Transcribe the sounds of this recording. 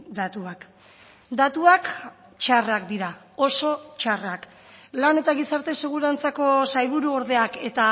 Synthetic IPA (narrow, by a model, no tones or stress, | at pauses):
d̪at̪uak | d̪at̪uak | t͡ʃarakd̪iɾa | o̞so̞t͡ʃarak | lane̞t̪aɣisaɾt̪e̞se̞ɣ̞uɾant͡sako̞sajβuɾuo̞ɾðe̞ake̞t̪a